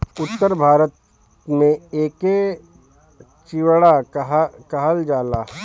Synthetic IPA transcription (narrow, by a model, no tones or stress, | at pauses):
ʊt̪ːəɾbʱaːɾət̪ | mẽeːke | t͡ʃiwɽaɦkəɦəld͡ʒaːlaː